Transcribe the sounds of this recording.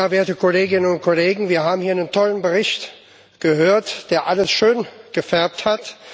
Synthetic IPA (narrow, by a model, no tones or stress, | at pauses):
aɐveːɐtəkʰoleːɡɪnənʊnt̚kʰoleːɡŋ̩viːɐhaːbm̩hiːɐnəntʰɔlənbəʁɪçt | ɡ̥əhøːɐtd̥eːɐʔaləsʃøːnɡ̥əfɛɐp̚that